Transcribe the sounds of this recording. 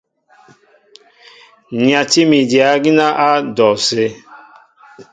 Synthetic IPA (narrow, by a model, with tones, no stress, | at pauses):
ɲi˨ã˨ti˦mi˨di˨a˨˦ɡi˦na˦ʔa˦dɔ˨se˦